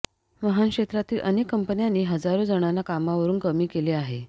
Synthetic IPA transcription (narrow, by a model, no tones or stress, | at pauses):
məɦankʂet̪ɾat̪iːlʔə̰nekːəmpənjanːiːɦəd͡zaɾod͡zəɽ̃alakamaʋəɾuːnkəmiːkeleaɦe